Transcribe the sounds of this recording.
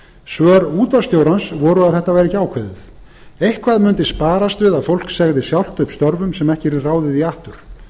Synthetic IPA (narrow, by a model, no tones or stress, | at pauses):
svœːɾuːt̪vast̪joːwɾansvɔɾʏaðθɛht̪avɛːɾɪcaːwkʰvɛːðʏθ | ejhkʰvaðmʏnt̪ɪspaːɾast̪vɪðafowl̥ksɛɣðɪsjawl̥t̪œɥpst̪œɾvʏmsɛmɛhcɪɾɪraːwðɪðiaht̪ʏɾ̥